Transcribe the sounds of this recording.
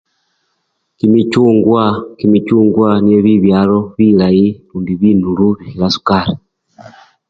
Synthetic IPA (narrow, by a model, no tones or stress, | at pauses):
kimit͡ʃuːŋɡwakimit͡ʃuːŋɡwanieβiβjaːloβilailuːndiβinuluβihiɾasu̥kaɾi